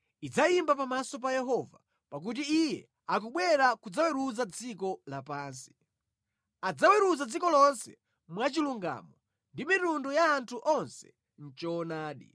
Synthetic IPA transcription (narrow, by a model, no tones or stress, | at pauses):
id͡zajimbapamasɔp̬ajɛɦɔva̰ | pak̬ut̬iijɛ̰ | ak̬uɓwɛɾakud͡zawɛɾuzad͡zikɔlapaːnsi̥ | ad͡zawɛɾuzad͡zikɔlɔnsɛ̥̰ | mwat͡ʃiluŋɡa̰ːmɔ | ndimitundɔjaːntʰuʔɔnsɛ̥̰ | n̩t͡ʃɔːnaːɗḭ